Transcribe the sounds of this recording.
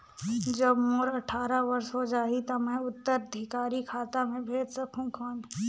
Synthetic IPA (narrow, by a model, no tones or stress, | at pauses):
d͡ʒɐbmoɾɐʈʰaːɾaʋɐɾsɦod͡ʒaːit̪ɐmɛ̃ʊt̪ːəɾəd̪ʱɪkaːɾikʰaːt̪amẽbʱeːd͡ʒsɐkʰũkʰɔːn